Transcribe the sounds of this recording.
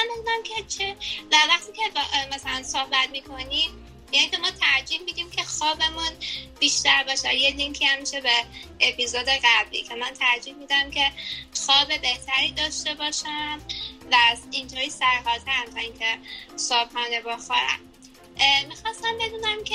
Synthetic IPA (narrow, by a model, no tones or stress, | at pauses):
mænbed̪uːnæmcʲʰet͡ʃʰevævæχt̪iːcʰe̞bmæsælænsohbæt̪miːkʰo̞nim | jæːniːcʰʲemɒːt̪ʰæɾd͡ʒiːhmiːd̪iːmkʰe̞xɒːbe̞munb̥iʃt̪æɾbɒːʃæjeliŋkʰiæmt͡ʃʰebeepʰizoːd̪e̞ɣæblḭːcʰemænt̪ʰæɾd͡ʒiːhmiːd̪æmcʰe̞xɒːbe̞be̞ht̪ʰæɾiːd̪ɒːʃt̪e̞bɒːʃæmvæint̪ʰoːɾiːsæɾɦɒːt̪ʰæɾæmt̪ʰɒːiːnkʰesɒːbhɒːneɡoxɒɾæ̰m | miːxɒːst̪æmbe̞d̪uːnæmcʲʰe